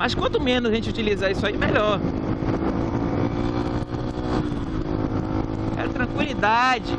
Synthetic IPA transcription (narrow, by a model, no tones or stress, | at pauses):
mɐskwɐ̃nt̪ʊmẽnʊzẽt͡ʃɪut͡ʃilizaisʊaimeʎɔɾ | ɛ̰ɐt̪ɾɐ̃kwilid̪ad͡ʒɪ